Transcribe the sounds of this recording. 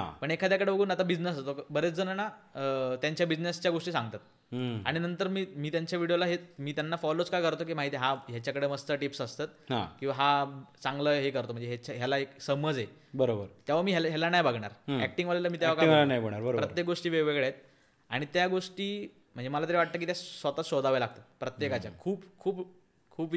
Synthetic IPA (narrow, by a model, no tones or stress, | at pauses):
ɦa̰pəɳekʰad̪jakəɽebəɡʱuːnat̪abid͡znesast̪okbəɾet͡sd͡zənanat̪jaɲt͡ɕjabid͡znest͡ɕjaɡoʂʈiːsãŋɡ̚t̪at̪̚ | a̰ɽ̃inənt̪əɾmiːmiːt̪jaɲt͡ɕjaʋiɽijolaɦemiːt̪janːafɔlot͡skajkəɾt̪ok̬iːmaɦit̪iɦaɦjat͡ɕjakəɽeːməst̪əʈipsəst̪at̪̚ɦã̰kĩw̃ʋaɦat͡sãŋɡləɦekəɾt̪om̤əɳnd͡zeɦet͡ɕaɦjalaeksəməd͡ze | bəɾobəɾt̪jaʋamiːɦelɦɛlanajbaɡɳa̰ɾɦæk̚ʈiŋʋalaləmiːjaʋakaŋlanajbəɽ̃ɳaɾəɾpɾətɾjek̚ɡoʂʈiːʋeʋeɡɭet̪̚ | a̰ɽ̃it̪jaɡoʂʈiː | m̤əɳd͡zeməlat̪̬əɾeʋaʈ̚t̪ək̬it̪jasʋat̪at͡sɕod̪aʋelaɡ̚t̪at̪̚pɾət̪jekat͡ɕja̰kʰuːpkʰuːp | kʰuːp